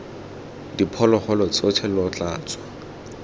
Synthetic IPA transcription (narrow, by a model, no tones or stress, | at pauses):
dipʰɔlɔχɔlɔt͡sʼɔtʰɛlɔt͡ɬʼaːt͡sʼɔ̥